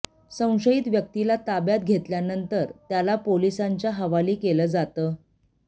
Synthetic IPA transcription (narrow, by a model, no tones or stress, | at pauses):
sə̃w̃ɕəit̪ʋjək̚t̪ilat̪abjat̪̚ɡʱet̪ljanənt̪əɾt̪jalapolisaɲt͡ɕjaɦəʋaliːkeləːd͡zat̪əː